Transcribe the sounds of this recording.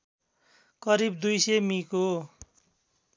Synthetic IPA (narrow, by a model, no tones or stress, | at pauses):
kʌɾibd̪ujsʌmiko